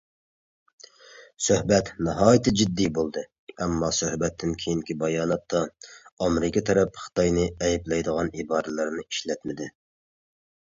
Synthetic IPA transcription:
søhbɛt̪nɨɦɑːjit̪ʰɪd͡ʒid̪ːibolˠd̪ɨ | ɛmːɑsøhbɛt̪ʰːɪnkʲʰejiŋkʲibɑjɑːnɑt̪ːɑɑmɾɪkʲʰit̪ʰɛɾɛpχɨ̥t̪ɑjnɨɛjiblɛjd̪əʁɑnibɑːɾɨlˠɨɾnɨiʃlɛt̪mɪd̪ɪ

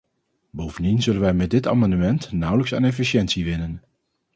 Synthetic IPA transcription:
bowvəndinzɵlənʋɛjmɛt̚dɪta̰ːmɑndəmɛntnʌwləksə̰ːnɛfiʃɛntsiʋɪnən

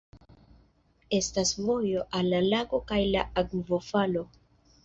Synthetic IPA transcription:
e̞stasvo̞jo̞ʔalːalaɡo̞kajla̰aɡvo̞falo̞

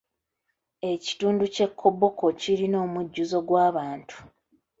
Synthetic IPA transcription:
e̞ci̥tuːnduce̞kʰːo̞bo̞ko̞ciɾino̞ːmuɟːuzo̞ɡwaːβaːntʰu̥

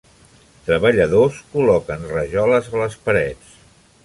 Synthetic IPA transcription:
t̪ɾəβəʎəðoskulɔkənrəʒɔləzələspəɾɛt͡s

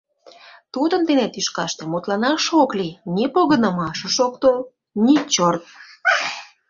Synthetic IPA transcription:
t̪ud̪ənt̪enet̪yʃkɑʃt̪emut̪lɑnɑʃoklinepoɣənə̆mɑʃə̆ʃokt̪o | nit͡ɕort̪̚

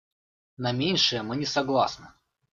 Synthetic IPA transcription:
nɐmʲenʲʂɨjəmɨnʲɪsɐɡlˠasnɨ

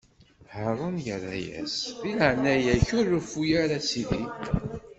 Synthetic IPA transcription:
həɾˤənjərːæ̰jæ̰sðilʕnːæjæçʊɾʊfujaɾasiði

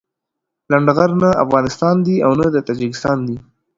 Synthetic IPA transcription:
laɳɖɣaɾnaafɣɑnɪst̪ɑnd̪iawnad̪ət̪ɑd͡ʒɪkɪst̪ɑnd̪i

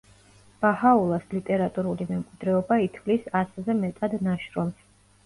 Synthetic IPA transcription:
b̥ahaulˠaslit̪ʼɛɾat̪ʼuɾulimɛmkʼid̪ɾɛɔbait̪ʰlisaszɛmɛt̪ʼad̪naʃɾɔms

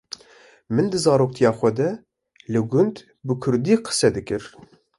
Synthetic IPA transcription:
mɨnd̪ɨzɑːɾoːk̚t̪ʰijɑːxʷɛd̪ɛ | lɨɡʊnd̪ | bɨkʰʊɾd̪iːqʰə̥sɛd̪ɨkɨɾ

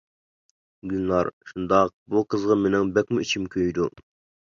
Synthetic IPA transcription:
ɡʲynlˠɑɾʃund̪ɑq̚buqʰəzʁɑmenɪŋbɛkʲmuit͡ʃʰimkʲʰøjd̪u

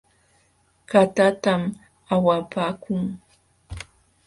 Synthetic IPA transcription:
kat̪at̪am | awapaːkʊŋ

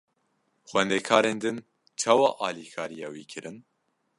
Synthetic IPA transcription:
xwɛnd̪ɛkʰɑːɾeːnd̪ɨn | t͡ʃʰɑːwɑːʔɑːlikʰɑːɾijɛwḭːkʰɨɾɨn

